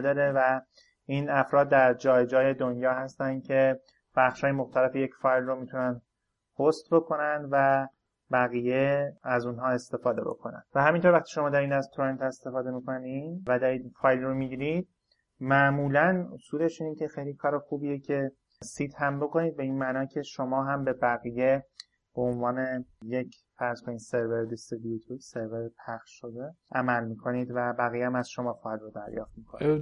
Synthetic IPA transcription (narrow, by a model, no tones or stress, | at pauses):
d̪ɒːɾe̞væ | iːnæfɾɒːd̪̚ːæɾd͡ʒɒːjd͡ʒɒːje̞d̪onjɒːhæst̪ænd̪̥̚cʰe̞ | b̥æxʃhɒːjemo̞xt̪ʰæle̞feje̞cfɒːjlromit̪ʰunæn | host̪bo̞kʰo̞nænd̪væ | bæɣije̞æzunɦɒːe̞st̪e̞fɒːd̪e̞bo̞̰kʰo̞næ̰nd̪̥væɦæmint̪ʰoɾvæχt̪ʰi̥ːʃo̞mɒːd̪æɾiːnæzt̪ʰoɾent̪ʰe̞st̪e̞fɒːd̪e̞mikʰo̞nivæd̪ɒɾiːd̪fɒːjlromiɟiːɾid̪̥̚ | mæʔmuːlænosuːle̞ʃiːnecʰe̞xejliːkʰɒːɾexuːbijecʰe̞ | siːt̪ʰhæmbo̞ko̞niːd̪̚be̞iːnmæːnɒːcʰe̞ʃo̞mɒːɦæmbe̞bæɣije̞ | b̥oonvɒːne̞je̞cʰ | fæɾz̥ko̞niːd̪se̞ɾve̞ɾd̪est̪ɾebiet̪ʰose̞ɾveɾpʰæxʃʃo̞d̪e̞æmælmiːkʰo̞niːd̪væbæɣiːjeæmæzʃo̞mɒːfɒjlrod̪æɾjɒ̰ːft̪miːkʰon̰